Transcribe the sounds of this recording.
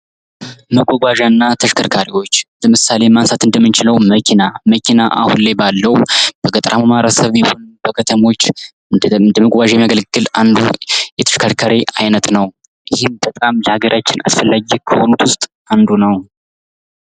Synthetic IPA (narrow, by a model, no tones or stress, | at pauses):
məɡʷoɡʷaʒanːat̪ʰəʃkʰəɾkʰaɾiwo̞t͡ʃːləmɨsale̞mansat̪ɨnd̪əmːɨnt͡ʃɪləwməkʰinaməkʰinaʔa̰hunlajbalːəwb̥əɡət̪ʼɾʔamamaɾəsəβjɛho̞nb̥əkʰət̪ʰəmo̞t͡ʃː | nd̪əməɡʷʼwʷaʒjɛmijaɡəlɡːɨland̪ṵjɛt̪ʰə̥ʃkʰəɾkʰaɾiajnət̪nəw | ʔɪhɪmbət̪ʼamləhaɡəɾʔat͡ʃːɪna̰sfəlːaɡikʰəho̞nut̪wʊst̪ʼ | and̪unəw